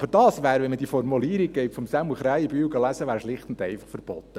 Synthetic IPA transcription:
b̥əɾd̥ɑːsʋæːɾʋɛnməd̥iəfɔrmuliːɾik̚ɡ̥ɛɪtfɔmsæmuχɾæjəb̥yːɡɑlæsəʋæːɾʃlɪχt̪ndɛɪfɑ̥χfəɾb̥ɔt̪ːə

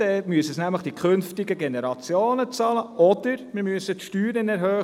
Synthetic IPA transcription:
ɛmyəsəsnæmləχd̥ikʰχʏnftɪɡəɡenɛɾɑt͡sjoːnət͡sɑːləʔɔd̪̥əɾmɪɾmyəsət̪ʃtyːɾənɛɾhœː

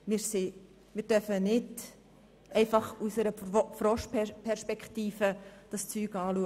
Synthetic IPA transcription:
mɪɾse | mɪːɾd̥œfənɪd | ɛɪfɑχusəɾəfɾɔʃpʰɛpʰɛɾʃpɛkχtiːfəd̥ɑst͡syːɡɑːluə

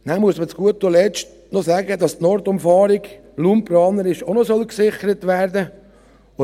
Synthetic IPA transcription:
næmuəsmət͡sɡ̥uətːolɛt͡ʃt | nɔsæːɡədɑstnɔɾtʊmfɑːɾiɡ | luːmprɑːnəɾɪʃonɔsœlksɪχəɾətʋæːɾdə

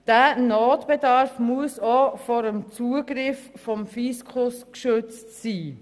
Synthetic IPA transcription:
d̥ænoːtb̥edɑɾfmuəsofɔɾəmt͡suəɡɾɪffɔmfiskʰʊskʃʏt͡stsiː

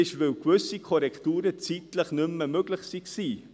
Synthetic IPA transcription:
ɪʃvɪwkvʏsikʰɔɾɛktuːɾət͡siːtləχnʏmːəmøɡ̥lɪχsiksiː

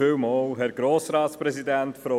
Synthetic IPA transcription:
ɪwmɔːlɦɛɾɡ̥ɾoːsɾɑːt̪spɾɛsidæntfɾo

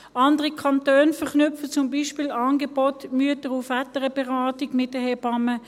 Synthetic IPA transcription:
ɑndəʁikʰɑntøːnfɛʁknʏfət͡sʊmbiːʃpɪːlɑːnɡɛbotmyətəʁʊfatəʁəbɛʁaːtiɡmɪt̚dəhebɑmə

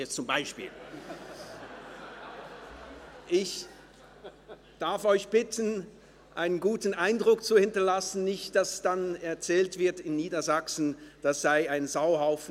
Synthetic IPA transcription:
ɛt͡sʊmbaɪʃpḭːl | ʔɪç | d̥aɐfɔʏçb̥ɪtʰən̩ | ʔaɪnənɡuːtn̩aɪndʁʊkt͡suhɪntɐlasn̩nɪçt̚d̥asd̥anɛɐt͡sɛːltv̥ɪɐtɪnːiːdɐzaksn̩d̥asz̥aɪaɪnzaʊɦaʊfn̩

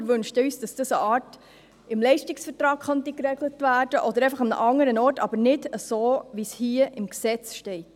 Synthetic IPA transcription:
ʋʏnʃtyːsd̥ɑsd̥əsəʔɑːrt | ɪmlɛɪʃtɪksfəɾtɾɑːkχɑnt̪ikɾɛɡlətʋæːrd̥əʔɔd̪əɾɛɪfəχɑmnə̰ʔɑŋəɾənɔːtɑ̰b̥əɾnɪdəsoːʋishiəʔɪmksɛt͡sʃtɛɪt

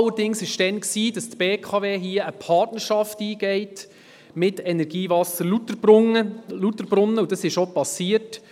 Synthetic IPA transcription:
ɑlːəɾdɪŋsɪʃd̥ɛnksiːd̥ɑstb̥eːkʰɑveːɦiəəpʰɑrtnəɾʃɑftiːɡ̥ɛɪt | mɪtɛnɛɾɡ̥iːvɑsəɾlutəbəlutəɾbɾʊnːəudɑsɪʃopɑsiət

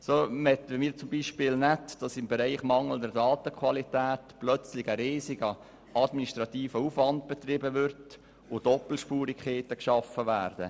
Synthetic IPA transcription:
soːmɛtʋɛmiːt͡sʊmbiʃpɪːlnɛtd̥ɑsɪmbɛɾaɪχmɑŋəl̩dɛɾdɑːtəkʰwɑlitæːtplœt͡slɪɡəɾeːsiɡ̥ə | ɑdminiʃtɾɑt̪iːfəufvɑnd̚b̥ɛt̪rɪbəvʏɾt | ʊd̥ɔpl̩ʃpuːɾikʰχeːtəkʃɑfːəʋæːɾd̥ə

